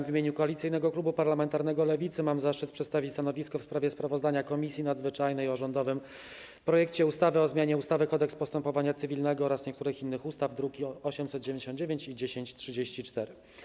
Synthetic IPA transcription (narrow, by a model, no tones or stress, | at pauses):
mvʲimʲeɲukɔalʲit̪sɘjn̪ɛɡɔklubupaɾlamɛnt̪aɾnɛɡɔlɛvʲit̪sɘmamzaʂt͡ʂɘt̪̚pʂɛt̪st̪avʲist̪anɔvʲiskɔfspɾavʲjɛspɾavɔzd̪aɲakɔmʲisʲjinad̪zvɘt͡ʂajnɛjɔʐɔnd̪ɔvɘm | pɾɔjɛkt͡ɕɛust̪avɘɔzmʲaɲɛust̪avɘkɔd̪ɛkspɔst̪ɛmpɔvaɲat̪sɘvʲilnɛɡɔɔɾasɲɛkt̪uɾɘxinːɘxust̪avd̪ɾukʲiɔɕɛmsɛt̪̚d͡ʑevẽɲd͡ʑeɕɔnd̪d͡ʑevʲjeɲt͡ɕid͡ʑeɕeɲt͡ɕtʂɘd͡ʑeɕt͡ɕit͡ʂt̪ɛɾɘ